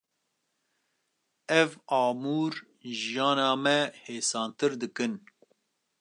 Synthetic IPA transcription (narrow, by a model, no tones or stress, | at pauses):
ɛvɑːmuːɾ | ʒijɑːnɑːmɛheːsɑːnt̪ɨɾd̪ɨkɨn